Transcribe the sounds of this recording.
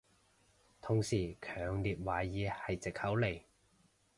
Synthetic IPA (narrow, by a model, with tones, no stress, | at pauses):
t̪ʰʊ˨ŋsiː˨˩kʰœː˨˩ŋliː˨˩t̚waː˨˩jiː˨˧hɐ˨jt͡sɪ˨k̚hɐ˨˥wle˨˩j